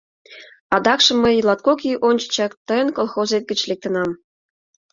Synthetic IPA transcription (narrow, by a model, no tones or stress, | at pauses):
ɑd̪ɑkʃɤ̆mːəjlˠɑt̪̚kokʲiʔonʲt͡ɕə̥t͡ɕɑkt̪əjənkolˠxozet̪̚ɡə̆t͡ɕlek̚t̪ə̆nɑm